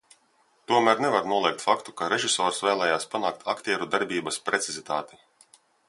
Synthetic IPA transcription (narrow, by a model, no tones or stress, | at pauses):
t̪uɔmæːɾnevaɾnuɔlˠiɛk̚t̪fakt̪ukaɾeʒisɔːɾsvɛːlˠɛːjaːspanaːk̚t̪ʰakt̪iɛɾud̪aɾbʲiːbaspɾet̪sizit̪a̰ːt̪i̥